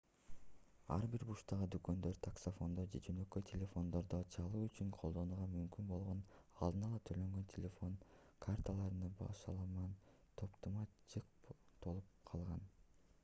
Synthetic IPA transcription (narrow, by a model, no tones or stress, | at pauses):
ɑ̰ɾbiɾbuʃt̪ɑʁɯd̪ykø̞nd̪ø̞ɾt̪ʰaksofo̞nd̪od͡ʒe̞d͡ʒø̞nø̞køjt̪ʲʰelʲe̞fo̞nd̪o̞ɾd̪ot͡ʃʰɑlˠuːyt͡ʃyɴqʰo̞lˠd̪o̞nuːʁɑmymkynbo̞lˠʁo̞nɑ̰lˠd̪ɯnɑlˠɑt̪ʰø̞lø̞ŋɡø̞ntʲʰelʲefo̞ŋ | kʰart̪alˠɑɾɯnɯbɑ̰ʃɑlˠɑmɑn | t̪ʰo̞pt̪umɑt͡ʃʰɯqt̪olˠup̚qʰɑlˠʁɑn